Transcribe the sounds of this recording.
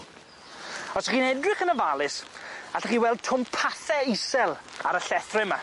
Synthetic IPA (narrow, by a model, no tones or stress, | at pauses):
ɔsəχiːnɛdrɪχənəvalˠɪsaɬaχiːwɛlˠd̚tʰʊmpʰaθɛɪsɛlˠaɾəɬɛθrɪma